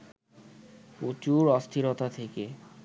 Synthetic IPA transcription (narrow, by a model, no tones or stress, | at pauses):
ot͡ɕuɾɔst̪ʰiɾot̪at̪ʰeke